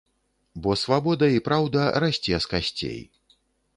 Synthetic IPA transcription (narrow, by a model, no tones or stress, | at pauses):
bɔsvabɔd̪ɐipɾawd̪ɐɾasʲt͡sʲɛskasʲt͡sʲḛj